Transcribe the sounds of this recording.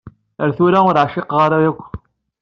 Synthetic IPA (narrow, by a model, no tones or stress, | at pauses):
əɾθuɾaʊɾʕʃɪqʁaɾajækʷː